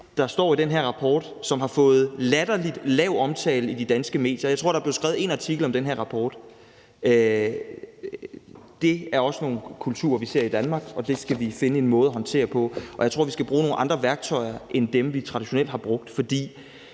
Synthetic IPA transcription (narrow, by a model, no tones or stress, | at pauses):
d̥ɑ̈sd̥ɒ̰ːid̥enɦæɐʁɑ̈pʰɒːd̥ | sɒ̽mɦɑ̈fɔ̽ːð̞̩ˠlæd̥ɐlid̥lɛʊɒ̽mt͡sʰɛ̰ːləid̥id̥ænsɡ̥əme̝̰ːd̥jɐjaɪt͡sʰʁo̝ɐ̰ɾɑ̈b̥le̝ʊsɡ̥aːʊð̩ˠe̝ːnɑt͡sʰiɡ̥l̩ɒ̽md̥enɦæɐʁɑ̈pʰɒːd̥ | ø | d̥e̝æɐɒ̽səno̝ːn̩kʰult͡sʰṵːɐʋise̝ɐ̰id̥ænmɑ̈ːɡ̥ɒ̽d̥e̝sɡ̥æʋife̝nəe̝nmɔ̽ːð̞̩ˠɐɦɒ̽nt͡sʰe̝̰ːɐpʰɒ̽ɒjät͡sʰʁo̝ɐ̰ʋisɡ̥æb̥ʁuːno̝ːnʔɑ̈nd̥ʁɐʋæɐɡ̥̚t͡sʰɒ̽ɪ̰ɐʔend̥emʋit͡sʰʁɑ̈diɕo̝nel̰d̥hɑ̈b̥ʁɔ̽ɡ̥̚d̥fɒ̽d̥ḭː